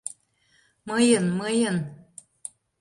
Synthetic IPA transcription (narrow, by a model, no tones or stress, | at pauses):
mɤjənməjən